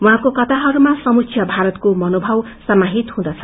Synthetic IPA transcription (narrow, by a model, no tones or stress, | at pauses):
wũɦãkokʌt̪aɦʌɾumasʌmuksʰjʌbʱaɾʌt̪komʌnobʱʌw | sʌmaɦit̪hũd̪ʌt͡sʰʌ